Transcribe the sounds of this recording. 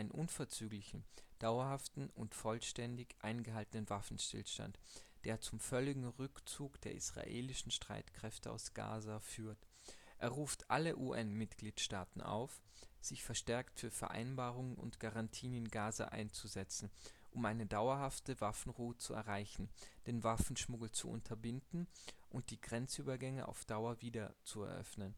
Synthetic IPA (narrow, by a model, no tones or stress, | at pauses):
ɪnənʔʊnfɛɐt͡syːɡlɪçn̩d̥aʊɐhaftn̩ʔʊntfɔlʃtɛndɪçʔaɪnɡəɦaltənənvafn̩ʃtɪ̰lʃta̰ntd̥eːɐt͡sʊmfœlɪɡŋ̩ʁʏkt͡suːkd̥eːɐʔḭsʁ̥a̰ʔḛːlɪʃn̩ʃtʁ̥a̰ɪtkʁ̥ɛftəa̰ʊsɡ̥a̰ːzafyːɐt | ʔeːɐʁuːftʔaləʔuːʔɛnmɪtɡ̥liːtʃtaːtn̩ʔa̰ʊf | z̥ɪçfɛɐʃtɛɐktfyːɐfɛɐʔa̰ɪnbaːʁʊŋənʊ̰ntɡ̥aʁantʰiːnɪnɡaːza̰ʔa̰ɪnt͡suzɛt͡sn̩ʔʊmʔaɪnədaʊɐɦaftəvafn̩ʁuːət͡suɛ̰ɐʁaɪçn̩d̥eːnvafn̩ʃmʊɡl̩t͡sṵʔʊ̰ntʰɐbɪndn̩ʔʊnt̚d̥iːɡʁɛnt͡sʔyːbɐɡɛŋəʔa̰ʊfd̥aʊɐviːdɐt͡suɛɐʔœ̰fnən